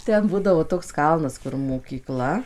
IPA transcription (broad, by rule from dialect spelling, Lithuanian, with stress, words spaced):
ˈtʲɛn ˈbuːdɐʋoː ˈtoːks ˈkɐlˠnɐs kʊr moːkʲiːˈklˠɐ